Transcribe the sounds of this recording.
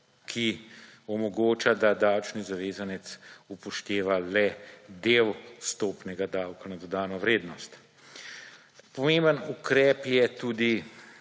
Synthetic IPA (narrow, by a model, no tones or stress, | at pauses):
kʰiɔmɔɡoːt͡ʃad̪ad̪awt͡ʃnizaʋeːzanɛt̪supɔʃt̪eːʋalɛd̪ewst̪oːpnɛɡad̪awkanad̪ɔd̪aːnɔʋɾeːd̪nɔst̪ | pɔmeːmbənukɾɛːpjɛt̪uːd̪i